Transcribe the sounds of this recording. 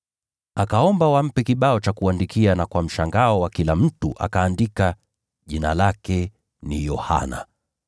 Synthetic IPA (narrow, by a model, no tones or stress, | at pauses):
akaɔmbawam̩pɛkiɓaɔt͡ʃakuandikianakwam̩ʃaŋɡaɔwakilam̩tuʔa̰kaːndika | ʄina̰lakɛ | nijɔha̰na̰